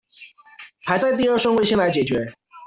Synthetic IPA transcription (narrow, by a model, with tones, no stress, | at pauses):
xʰa˨˧ɪt͡sa˥˧ɪt̪̬i˥˧ə˞˥˩ʂə˥ŋwe˥˧ɕɛ˥nla˧˥ɪt͡ɕjɛ˨˩t͡ɕɥɛ˧˥